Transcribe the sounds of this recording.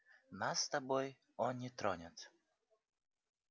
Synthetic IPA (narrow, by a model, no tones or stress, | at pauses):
nasːt̪ɐbɔj | ɔnʲːɪt̪ɾɔnʲat̪